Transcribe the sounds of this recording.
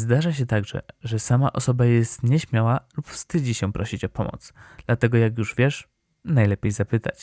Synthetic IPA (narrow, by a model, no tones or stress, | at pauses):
zd̪aʐaɕ̬ɛt̪aɡʐɛ̰ʐɛsama̰ʔɔsɔbajɛst̪ɲɛɕmʲjawalupfst̪ɘd͡ʑiɕɛpɾɔɕit͡ɕɔpɔmɔ̰t̪sd̪̥lat̪ɛɡɔjakjuʐvʲjɛʂ | najlɛpʲejzapɘt̪a̰t͡ɕ